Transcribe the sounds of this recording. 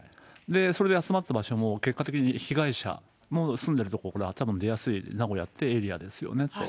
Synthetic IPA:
d̪e̞so̞ɾe̞d̪eat͡sɨmat̪ːabaɕo̞mo̞ke̞kːat̪e̞kʲiɲ̟içiɡaiɕa̰ | mo̞sɨ̃nd̪e̞ɾɯ̟t̪o̞kookaɾat̪abɯ̟̃nd̪e̞jasɨinaɡo̞jat̪ʰːe̞ːɾʲia̰d̪e̞sɨjo̰ne̞t̪ːo̞

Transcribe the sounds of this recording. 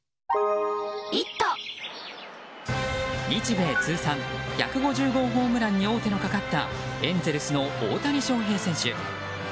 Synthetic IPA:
it̪ːo | ɲʲit͡ɕibe̞ːt͡sɨːsãŋça̰kɯ̟ɡo̞ʑɨːɡo̞ɦo̞ːmɯ̟ɾaɲ̟ːio̞ːt̪e̞no̞kakat̪ːa̰ẽ̞nd͡ze̞ɾɯ̟sɨno̞oːt̪aɾʲiɕo̞ːɦe̞ːsẽ̞ɰ̃ɕɨ̰

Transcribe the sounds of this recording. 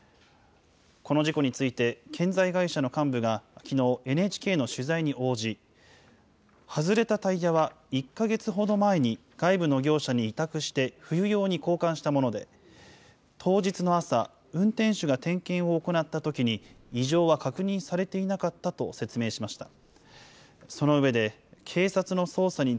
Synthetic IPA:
ko̞no̞ʑiko̞ɲ̟it͡sɨit̪e̞kʰẽ̞nzaiɡaiɕano̞kãmbɯ̟ɡakʲʰino̞ːʔe̞net͡ɕi̥ke̞ːno̞ɕɨzaiɲ̟iʔo̞ːʑi | hazɨɾe̞t̪at̪aijaβa | ikːaɡe̞t͡sɨɦo̞d̪o̞mae̞ɲ̟i | ɡ̥aibɯ̟no̞ɡʲo̞ːɕaɲ̟iːt̪akɯ̟ɕi̥t̪e̞ɸɯ̟jɯ̟jo̞ːɲ̟iko̞ːkãɰ̃ɕi̥t̪amo̞no̞d̪e̞̰ | t̪ʰo̞ːd͡ʑit͡sɨnoasa̰ | ɯ̟̃nt̪ẽ̞ɰ̃ɕɨɡat̪ẽ̞ŋkẽ̞ɰ̃o̞ːko̞nat̪ːat̪o̞kʲiɲ̟iːʑo̞ːβakakɯ̟ɲ̟ĩɰ̃saɾe̞t̪e̞inakat̪ːat̪o̞se̞t͡sɨme̞ːɕimaɕi̥t̪a | so̞no̞ɯ̟βe̞d̪e̞ | kʰe̞ːsat͡sɨno̞so̞ːsaɲ̟i

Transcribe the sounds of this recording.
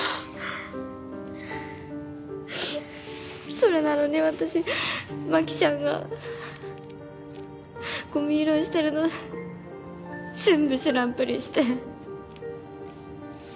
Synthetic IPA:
so̞ɾenano̞neβat̪aɕimakʲi̥t͡ɕãŋɡa̰ | ɡ̥o̞mʲiːɾõ̞ɰ̃ɕi̥t̪e̞ɾɯ̟no | d͡zẽ̞mbɯ̟ɕɨɾãmpɯɾʲiɕi̥t̪e̞

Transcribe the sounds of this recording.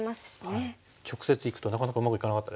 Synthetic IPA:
masɨd̪esɨne | t͡ɕo̞kɯ̥se̞t͡sɨikɯ̟̥t̪o̞nakanakaɯ̟makɯ̟ikanakat̪ːad̪e

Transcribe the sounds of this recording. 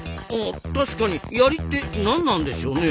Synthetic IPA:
at̪aɕi̥kaɲ̟ijaɾʲit̪ːe̞nãnːãnd̪e̞ɕio̞ne̞

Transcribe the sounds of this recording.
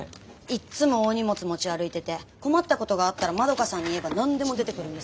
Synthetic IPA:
it͡sɨmo̞oɲ̟imo̞t͡sɨmo̞t͡ɕiaɾɯ̟it̪e̞t̪e̞ko̞mat̪ːako̞t̪o̞ɡaːt̪ːaɾamad̪o̞kasãɲ̟ːie̞banãnd̪e̞mo̞d̪e̞t̪e̞kɯ̟ɾɯ̟neɨ

